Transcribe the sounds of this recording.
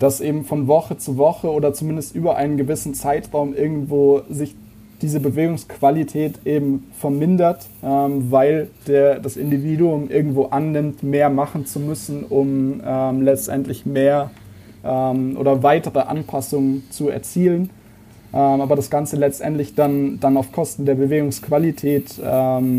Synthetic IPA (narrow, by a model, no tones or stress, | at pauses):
d̥asʔeːbm̩fɔnvɔχət͡suvɔχəoːdɐt͡sumɪndəstʔyːbɐʔa̰ɪnənɡəvɪsn̩t͡saɪtʁ̥aʊmʔɪɐɡŋ̩tv̥oːzɪç | d̥iːzəbəveːɡʊŋskv̥alitʰɛːtʔeːbm̩fɛɐmɪndɐt | ʔɛːmvaɪld̥eːɐdasʔɪ̰ndiviːɾuʊmʔɪɐɡŋ̩tv̥oːʔanːɪmtmeːɐmaχn̩t͡sumʏsn̩ʊmɛːmlɛt͡stʔɛ̰ntlɪçmeːɐ | ʔɛːmʔo̰ːɾɐvaɪtəʁəʔa̰npʰasʊŋənt͡suɛ̰ɐt͡siːlən | ʔɛːmʔaːbɐɾasɡ̥ant͡səlɛt͡stʔɛ̰ntlɪçd̥and̥anaʊfkʰɔstn̩deːɐbəveːɡʊŋskv̥alitʰɛːtʔɛːm